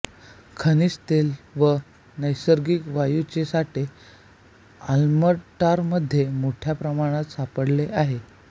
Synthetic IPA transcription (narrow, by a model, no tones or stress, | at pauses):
kʰənist̪elʋə | nəjsəɾɡikʋajut͡ɕesaʈe | alməʈaɾməd̪ʱːjemoʈʰjapɾəmaɽ̃at̪sapəɽleʔaɦe